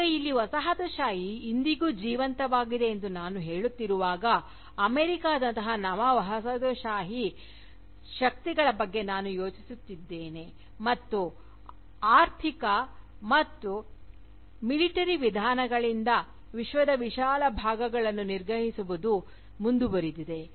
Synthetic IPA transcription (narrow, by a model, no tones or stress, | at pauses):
ɐjilːiʋɐsɐɦɐt̪oʃaːɦiːnd̪iɡuːd͡ʒiːʋɐnt̪ɐʋaːɡid̪e̞ːnd̪unaːnuɦe̞ːɭut̪ːiɾuʋaːɡɐː | meːɾikaːd̪ɐnt̪ɐɦɐnɐʋɐʋɐɦɐsɐt̪oʃaːɦi | ʃɐk̚t̪iɡɐɭɐbɐɡːe̞naːnujo̞ːt͡ʃisut̪ːid̪ːe̞ːne̞ | mɐt̪ːu | aːɾt̪ʰikɐ | mɐt̪ːu | miliʈɐɾiʋid̪ʱaːnɐɡɐɭind̪ɐ | ʋiʃʋɐd̪ɐʋiʃaːlɐbʱaːɡɐɡɐɭɐnːuniɾɡʱɐɦisuʋud̪u | mund̪ubɐɾid̪id̪e̞